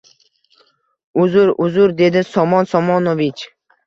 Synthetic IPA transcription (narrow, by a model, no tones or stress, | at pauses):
ʊzʊɾʊzʊɾd̪e̞d̪ɪsɒmɒnsɒmɒnovɪt͡ʃ